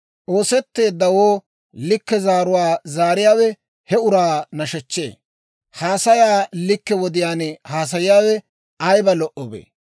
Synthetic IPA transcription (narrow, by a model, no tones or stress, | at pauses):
ʔo̞ːsɛt̪ːe̞ːd̪ːɐwoː | lɪkːɛzaːɾʊwaːzaːɾɪjaːwɛ | hɛʊɾaːnɐʃɛt͡ʃːe̞̰ː | haːsɐjaːlɪkːɛwɔd̪ɪjaːnhaːs̬ɐjɪjaːwɛ | ʔɐjbɐlɔʔɔbḛː